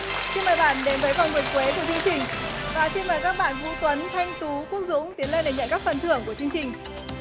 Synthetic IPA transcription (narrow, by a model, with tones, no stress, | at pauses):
si˧nməː˨˩jɓa̰ː˧˩˨nɗe˨˦nvəː˨˦jka˨˩wvi˨˩ək̚kwe˨˦ku˧˩ət͡ɕɨ˧əŋt͡ɕï˨˩ŋ̟vaː˨˩si˧nməː˨˩jkaː˦˥k̚ɓa̰ː˧˨nvu˧t̪wə˨˦nt̪ʰa˧jŋ̟t̪u˨˦kwək̚zʊ̰˧˥ŋ͡mt̪i˨˦ənle˧˩nɗe˨˩ɲə̰˧˨nkaː˦˥k̚fə˨˩nt̪ʰɨ̰˧˩əŋku˧˩ət͡ɕɨ˧əŋt͡ɕï˨˩ŋ̟